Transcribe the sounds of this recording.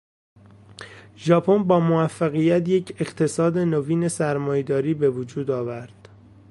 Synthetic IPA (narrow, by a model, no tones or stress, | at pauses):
ʒɒːpʰonbɒːmovæfːæɣijæt̪jecʰe̞ɢt̪ʰe̞sɒːd̪e̞noviːne̞sæɾmɒːjed̪ɒːɾiːbe̞vod͡ʒuːd̪ɒːvæɾd̪̥